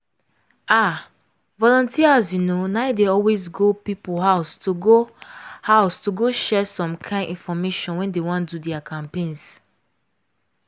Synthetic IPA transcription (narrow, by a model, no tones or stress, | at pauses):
a | vɔlɔ̃ntiazjunonaɪdeɔlwezɡopipulɦaʊstuɡohaʊstuɡoʃɛsɔ̃mkʰãɪ̃nĩnfɔmeʃɔ̃nwɛ̃ndewɔ̃ndudɛakʰãmpẽns